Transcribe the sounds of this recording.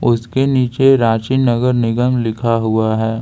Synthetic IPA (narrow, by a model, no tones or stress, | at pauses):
ʊskeniːt͡ʃeɾaːt͡ʃinɐɡəɾnɪɡəmlɪkʰaɦʊaɦɛː